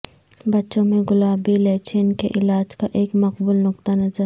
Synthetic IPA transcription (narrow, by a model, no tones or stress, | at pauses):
bɐtːʃõmẽɡʊlaːbileːt͡ʃʰenkeʔɪlaːd͡ʒkaʔeːkmɐqbʊlnʊk̚t̪anɐzəɾ